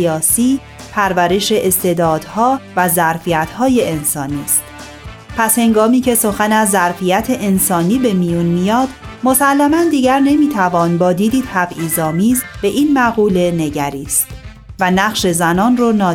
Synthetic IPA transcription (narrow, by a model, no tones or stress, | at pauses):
iɒːsiː | pʰæɾvæɾe̞ʃe̞ʔest̪e̞d̪ɒːd̪̥hɒːvæzæɾfiæt̪ʰhɒːje̞ensɒːniːst̪ | pʰæshe̞ŋɡɒːmiːcʰe̞so̞xænæzːæɾfijæt̪ʰe̞ʔensɒːniːbe̞mijunmijɒːd̪̥mo̞sælːæmænd̪iːɟæɾne̞miːt̪ʰævɒːnbɒːd̪iːd̪iːt̪ʰæbʔiːzɒːmiːzb̥e̞ʔiːnmæɣuːle̞ne̞ɟæɾiːst̪ | vænæɣʃe̞zænɒːnronɒː